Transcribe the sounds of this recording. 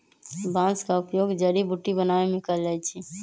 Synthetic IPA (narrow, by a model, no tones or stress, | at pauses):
bãːskaʊpjoːɡd͡ʒəɽibuʈːibənaːemɪ̃kəld͡ʒait͡ʃʰi